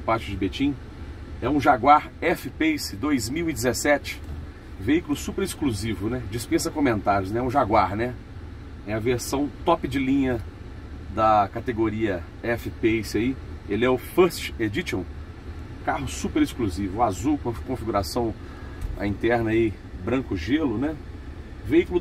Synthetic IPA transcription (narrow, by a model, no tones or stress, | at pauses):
paɾt͡ʃʊd͡ʒɪbet͡ʃĩ | ɛũʒaɡwaɾɛfɪpesɪd̪ojzmiwid͡ʒɪzesɛt͡ʃɪ̥ | veikʊlʊsupeɾɪskluzivʊnɛd͡ʒispẽsɐkõmẽnt̪aɾjʊznɛɛũʒaɡwaɾnɛ | ɛɐveɾsɐ̃w̃t̪ɔpɪd͡ʒɪlĩɲɐ | d̪ɐkat̪eɡoɾiɐ | ɛfɪpesɪaielɪɛʊfɐst͡ʃed͡ʒit͡ʃõw̃ | kaɦʊsupeɾɪskluzivʊːazuwkõkõfiɡuɾasɐ̃w̃ | ɐ̰ĩnt̪ɛɾnɐi | bɾɐ̃kʊʒelʊnɛ | veikʊlʊ